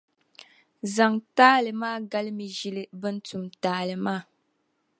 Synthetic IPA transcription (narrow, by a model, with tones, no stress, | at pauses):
za˨ŋtaː˦lɨ˨maː˦ɡa˦lɨ˦mi˨ʒi˦lɨ˦bɨ˦n̩˦tu˨mtaː˨˦lɨ˨maː˦˨